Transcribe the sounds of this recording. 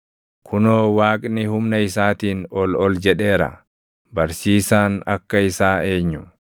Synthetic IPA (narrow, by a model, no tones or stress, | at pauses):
kʰʊnoːwaːkʼnɪhʊmnɐɪsaːt̪iːnɔlɔld͡ʒɛɗe̞ːɾɐ̰ | bɐɾsiːsaːnɐ̰kːɐɪsaːe̞ːɲːʊ